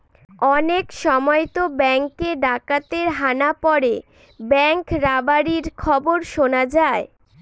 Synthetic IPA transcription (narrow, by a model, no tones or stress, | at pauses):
ɔnekʃɔmɔet̪obɛŋkeɖakat̪eɾɦanapɔɾe | bɛŋkɾabaɾiɾkʰɔboɾʃonad͡ʑae